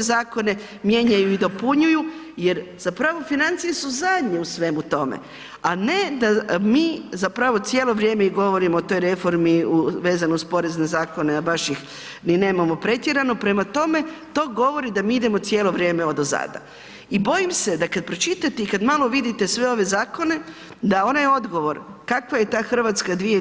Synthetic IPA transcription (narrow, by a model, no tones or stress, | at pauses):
zaːko̞ne̞ | mje̞ɲajuid̪o̞puɲuju | je̞ɾz̥apɾaʋo̞finant̪sije̞suzad̪ɲe̞usʋe̞mut̪o̞mḛ | ane̞d̪amiːzapɾaʋo̞t̪sʲjeːlo̞ʋɾje̞ːmeiɡo̞ʋo̞ɾimoːt̪o̞jɾe̞fo̞ɾmiuʋe̞ːzanouspo̞ɾe̞zne̞zaːko̞neabaʃjix | nine̞ːmamo̞pɾe̞t̪jeɾano̞pɾe̞mat̪o̞me̞t̪o̞ːɡo̞ʋo̞ɾid̪amiːid̪e̞mot̪sje̞ːlo̞ʋɾje̞ːmeod̪oza̰ːd̪a̰ | ibo̞jimse̞d̪akad̪̚pɾo̞t͡ʃit̪at̪eikad̪malˠo̞ʋid̪it̪e̞sʋeo̞ʋe̞zaːko̞ne̞ | d̪ao̞najo̞d̪ɡo̞ʋo̞ɾkakʋaje̞t̪aːxr̩ʋaːt̪skad̪ʋie